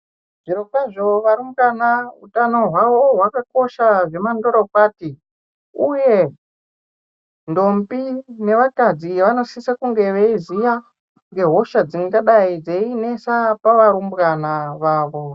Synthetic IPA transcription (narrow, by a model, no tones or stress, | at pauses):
ʐ̥iɾokaʐoʋaɾumbɡanautano̞ɦwaʋo̞ɦwakako̞ʃaʐe̞mando̞ɾopaːti | uje̞ | ndo̞mbine̞ʋakad͡ziʋano̞sisakuŋɡe̞ʋeizija | ŋɡe̞ɦo̞ʃad͡ziŋɡaɗaid͡zeine̞sapaʋaɾumbɣanaʋaːʋo̞